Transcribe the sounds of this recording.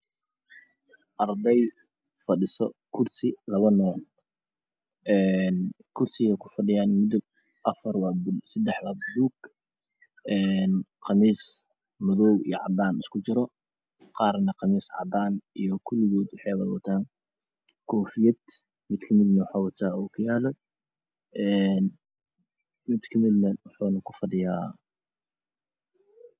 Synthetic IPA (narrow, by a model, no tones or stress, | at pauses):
ʔɐrd̪ɛj | fɐɖɪsɔkʰʊrsɪlɐβɐnɔːl | ʔɛːnkʰʊrsɪɣɐkʰʊ̥fɐɖɪjaːnmʊd̪ʊɡ | ʔɐfɐrwɑːbʊsɐd̪ɛħwabʊd̪uːɡ | ɛːnqɑmiːs | mʊðɔwḭjɞʕɑ̰d̪aːnɪskʰʊt͡ʃɪɾɔ | qɑːrnɐqɑmiːsʕɑ̰d̪aːnijɔkʰʊlɪɣɔːd̪wɑħɑjwɐðwɐt̪ʰaːn | kʰɔːfɪjɐd̪̥ | mɪd̪kʰɐmɪd̪nɐwʊħaːwɐt̪ʰaːɔkʰʊjaːlɔ | ʔɛn | mɪd̪kʰɐmɪd̪nɐwɑħuːnɐkʰʊfɐɖɪjaː